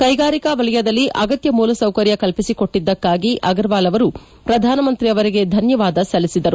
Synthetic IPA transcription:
kɐjɡaːɾikɐʋɐɭɐjɐd̪ɐlːiʔɐ̰ɡɐt̪jɐmuːlɐsɐwkɐɾjɐkɐlpisiko̞ʈːid̪ːɐkːaːɡiʔʔɐɡɐɾʋaːlɐʋɐɾu | pɾɐd̪ʱaːnɐmɐnt̪ɾijɐʋɐɾiɡe̞d̪ʱɐnjɐʋaːd̪ɐsɐlisid̪ɐɾu

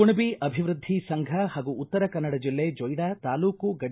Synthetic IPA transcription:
uɳubiʔɐbʱiʋɾud̪ʱːisɐŋɡʱɐɦaːɡuːt̪ːɐɾɐkɐnːɐɽɐd͡ʒilːeːd͡ʒɔjɽat̪aːluːkuɡɐɽ

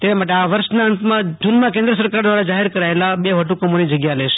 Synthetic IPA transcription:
t̪emaʈ̬eaʋəɾʃnaənt̪mãd͡ʒunmãkẽnd̪ɾəsəɾkaɾd̪ʋaɾad͡ʒaɦeɾkəɾaelabeʋəʈukəmonid͡ʒəɡjalɛʃ

